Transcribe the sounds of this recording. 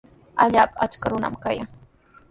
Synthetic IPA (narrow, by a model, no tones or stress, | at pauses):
aʎaːpaat͡ʃkaɾʊna̰mkajaŋ